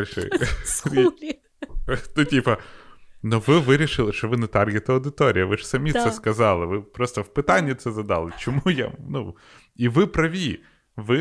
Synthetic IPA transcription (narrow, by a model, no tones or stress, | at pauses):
lʲʃɛ̰i | t̪ɔtʲipɐnɔʋɪʋɪɾʲiʃɪlˠɪʃt͡ʃɔʋɪnɛt̪ɑrɡʲɪt̪ɐɐwd̪ɪt̪ɔɾʲijɐʋɪʒsɐmʲit̪sɛskɐzɑlˠɪʋɪpɾɔst̪ɔwpɪt̪ɑnʲːɐt̪sɛzɐd̪ɑlˠɪt͡ʃɔmuja̰nu | iʋɪpɾɐʋʲi | ʋɪ